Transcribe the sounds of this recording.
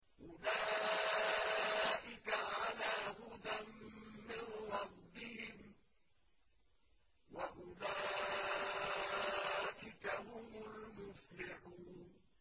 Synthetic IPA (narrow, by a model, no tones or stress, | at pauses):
ʔʊlaː | ʔɪkaʕalaːhʊd̪amːɪnɾˤɑbːɪhɪm | waʔʊlaː | ʔɪkahʊmʊlmʊflɪħuːn